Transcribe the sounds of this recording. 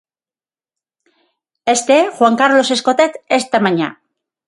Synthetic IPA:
est̪exwaŋkaɾlo̞se̞sko̞t̪et̪est̪amaɲa̰

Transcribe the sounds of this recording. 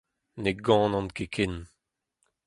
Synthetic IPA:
neɡɑ̃ːnɑ̃nkekʰɪn

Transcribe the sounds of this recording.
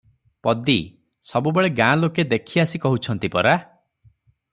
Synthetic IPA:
pɔd̪i | sɔbubeɭeɡãloked̪ekʰiasikɔɦut͡ʃʰɔnt̪ipɔɾa

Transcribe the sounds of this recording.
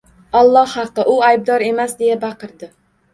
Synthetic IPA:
ɒlˠːɒhɑqːɨʔʊajb̚d̪ɒɾe̞masd̪e̞jabɑqʰɨɾd̪ɪ

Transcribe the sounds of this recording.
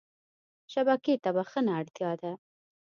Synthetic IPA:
ʃabaket̪abaxənaːɽt̪jɑd̪a

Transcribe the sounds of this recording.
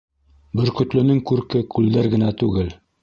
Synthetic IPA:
bɘ̆ɾkɵ̆t̪lɘ̆nɘŋkʉɾkɘkʉld̪æɾɡɘ̆næt̪ʉɡɘl

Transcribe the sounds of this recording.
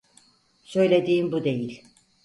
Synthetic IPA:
sø̞jlʲe̞d̪iːmbud̪e̞jilʲ

